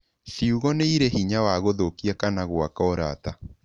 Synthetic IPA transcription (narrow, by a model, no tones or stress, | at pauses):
ʃiuɣɔneiɾehiɲawaɣoðokiakanaɣwakɔːɾa̰ta